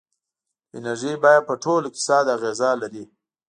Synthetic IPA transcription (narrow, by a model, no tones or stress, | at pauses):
ɪnaɾʒijbɑjad̪̚pəʈʰolkɪ̥sɑd̪aɣezalaɾi